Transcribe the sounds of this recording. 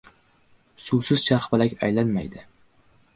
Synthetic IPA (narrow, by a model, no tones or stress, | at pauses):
susɪz̥ʃʰaɾχbɪlakʲa̰jlanma̰jd̪ɪ